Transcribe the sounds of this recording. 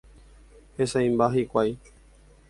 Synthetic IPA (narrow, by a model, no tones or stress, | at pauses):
hesaĩmbaɦikʷaj